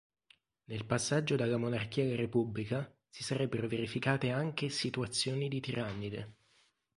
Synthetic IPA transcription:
nelpasːad͡ʒːod̪alːamonark̟iːalaɾepublika | sisaɾɛbːeɾoveɾifikaːt̪eaŋk̟esit̪uat̪sːjoːnid̪it̪iɾʔamːid̪ḛ

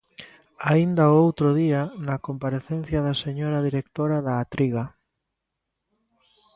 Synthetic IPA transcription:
aind̪aoowt̪ɾoðianakompaɾeθẽn̟θjaðaseɲoɾaðiɾek̚t̪oɾaðaːt̪ɾiɣa

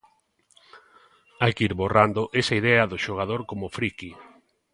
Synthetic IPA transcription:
ajkiɾβorand̪oʔesɐiðɛɐðʊʃoɣ̞að̞oɾkomʊfɾiki

